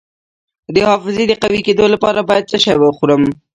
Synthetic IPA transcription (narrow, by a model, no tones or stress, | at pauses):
d̪əhɑfɪzed̪əqawiked̪olapɑɾabɑjad̪̚t͡səʃajwəxuɾəm